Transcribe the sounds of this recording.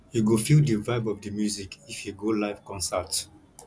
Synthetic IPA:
juɡofildivaɪbɔvdəmjuzikifjuɡolaɪvkɔ̃nsat

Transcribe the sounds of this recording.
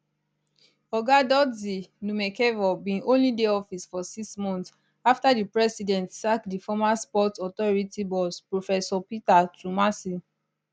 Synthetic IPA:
ɔɡadɔzinũmɛkɛvɔbĩnõnlideɔfisfɔsiksmɔ̃nts | aftadipɹɛsidɛ̃ntsakdifɔmaspɔtɔtɔɹitibɔspɹofɛsɔpitatumasi

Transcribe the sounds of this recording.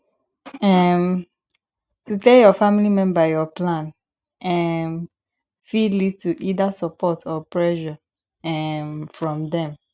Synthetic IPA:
ɛm | tʰutejɔfãmilimɛ̃nbajɔplãn | ɛm | filituʔidasəpʰɔtʰɔpɹɛʃa | ɛmfɹɔ̃mdɛ̃m

